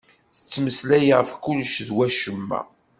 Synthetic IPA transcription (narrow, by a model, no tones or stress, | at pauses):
θə̥t͡sːməslæjəʁəfkʊlʃðwæʃəmːæ̰